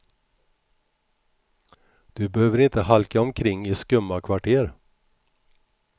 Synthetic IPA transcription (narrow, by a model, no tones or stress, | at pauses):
d̪̥ɵbɛhøːvəɾɪnt̪əhalkaɔmkʰɾɪŋːɪskɵmːakʰvaʈʰeːɾ